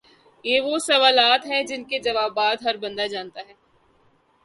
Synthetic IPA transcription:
jeːʋosɐʋaːlaːt̪ɦɛd͡ʒɪnked͡ʒɐʋaːbaːd̪ɦɐɾbɐ̃nd̪ad͡ʒaːnt̪aɦɛː

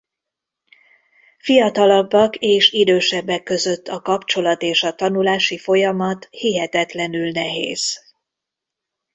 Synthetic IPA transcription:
fijɒt̪ɒlɒbːɒkeːʃid̪øːʃɛbːɛkːø̞zø̞t̪ːɒkɒpt͡ʃo̞lɒt̪eːʃɒt̪ɒnulaːʃifo̞jɒmɒt̪hiɦɛt̪ɛt̪lɛnylnɛɦḛːz̥

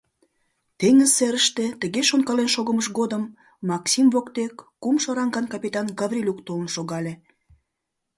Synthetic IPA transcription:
t̪eŋəzːeɾəʃt̪ĕt̪ə̆ɣeʃonkɑlenʃoɣəməʃɣod̪əmː | ɑksimvokt̪ekːumʃoɾɑŋɡɑnkɑpʲit̪ɑnɡɑvrʲilʲukt̪olənʃoɣɑlʲe

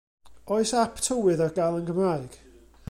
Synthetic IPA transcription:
ɔɨjsapʰtʰəwɪðarɡalˠənɡəmraɨɡ̥

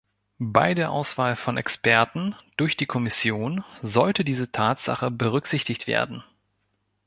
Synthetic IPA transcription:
ba̰ɪdeːɐʔaʊsv̥aːlfɔnʔɛ̰kspɛɐtn̩d̥ʊɐçd̥iːkʰɔmɪsjoːnzɔltədiːzətʰaːtz̥a̰χəbəʁ̞ʏkz̥ɪçtɪçtv̥ḛːɐdn̩

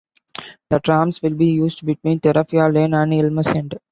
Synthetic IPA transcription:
d̪̥əʈɾãːmsʋɪlbiːjuːzɖbɪʈʋĩːnt̪ɛɾaːfiaːlẽːnæ̃ɳɖɪlməsɛ̃ɳɖ

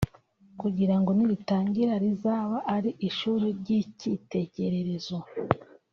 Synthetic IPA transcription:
kuɟiɾaŋɡo̞niɾitaːɲɟiɾaɾizaːβaʔaɾiʔiʃuːɾiɾɟicite̞ɟe̞ɾe̞ɾe̞zo

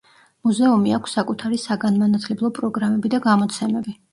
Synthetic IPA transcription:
muzɛumiakʷʰsːakʼut̪ʰaɾisaɡanmanat̪ʰlɛblˠɔpʼɾɔɡɾamɛbid̪aɡamɔt̪sʰɛmɛbi

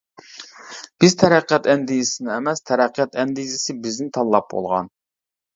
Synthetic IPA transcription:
b̥ɪzt̪ʰɛɾæqʰːɛt̪ɛnd̪ijɪsɪnɪemɛst̪ʰɛɾæqʰːɛt̪ɛnd̪izɪsɪbɪznɪt̪ʰɑlˠːɑp̚bo̰lˠʁɑ̰n

